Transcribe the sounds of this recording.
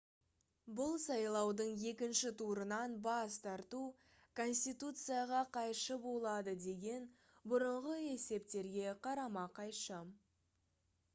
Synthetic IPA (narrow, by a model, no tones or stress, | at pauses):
bʊlˠsɑjlˠɑwd̪əɴje̞kʲɪnʃɪt̪ʰuɾənɑnbɑst̪ʰɑɾt̪u | kʰo̞nsʲt̪ijt̪ut̪sɨjaʁɑqʰɑjʃəbo̞lˠɑd̪əd̪e̞ɡʲe̞n | bʊɾəɴʁəe̞se̞p̚t̪e̞ɾɡʲe̞qʰɑɾɑmɑqʰɑjʃə